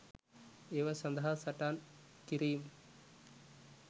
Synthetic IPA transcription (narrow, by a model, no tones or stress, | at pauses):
eːʋɐsɐnd̪ʱɦaːsɐʈaːn | kiɾiːm